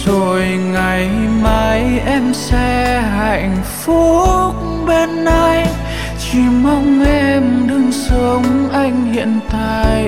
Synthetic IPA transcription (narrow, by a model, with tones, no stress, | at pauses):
zo˨˩jŋa˨˩jma˨˦jʔɛ˧msɛ˧ɦa˧˨jŋ̟fu˧˦k̚ | ɓe˧nːa˧jj | t͡ɕi˧˩ma˧wŋ͡mʔɛ˧mɗɨ˧ŋsə˨˦ŋ͡mʔa˧jŋ̟hḭ˧˨ənt̪a̰ː˧˨j